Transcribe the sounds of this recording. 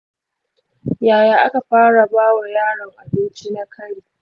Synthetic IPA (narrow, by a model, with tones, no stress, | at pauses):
jaː˨jaː˦ʔa˦ka˨ɸaː˦ɽa˨baː˦wa˨jaː˦˨ɽɐ˨ŋʔa˨bɪ˦nt͡ʃi˦na˦kʰɐ˦ɽiː˨